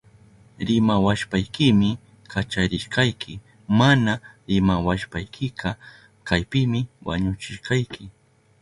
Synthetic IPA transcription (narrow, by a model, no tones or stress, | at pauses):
ɾɪmawaʃpajkɪmɪ | kʰat͡ʃaɾɪʃqɑjkʰɪ | manaɾɪmawaʃpajkʰɪqʰɑ | kajpɪmɪwa̰ɲʊt͡ʃɪʃqɑjkɪ